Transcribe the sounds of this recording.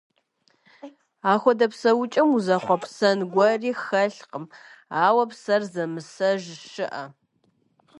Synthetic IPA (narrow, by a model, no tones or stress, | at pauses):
aːxʷɔdɐpsɐwʊt͡ʃʼɪmuzɐχʷɔpsɐnɡʷɐriːxɐɬqəmaːwɐpsɐrzɐmɨsɐʒʃɨʔɐ